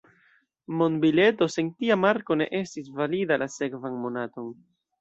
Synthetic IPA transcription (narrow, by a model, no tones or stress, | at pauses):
mo̞nbile̞to̞se̞ntiamaɾko̞ne̞̰ʔe̞stis̬validalase̞kvanmo̞nato̞n